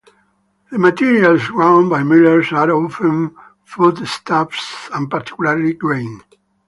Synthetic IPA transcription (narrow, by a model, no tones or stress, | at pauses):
ðəmat̪iɹialsɹãʊ̃nbajmɪləɹsaɾofə̃n | fud̪st̪ʰafsãnpaɾt̪i̥kulaɹlidɹẽɪ̃n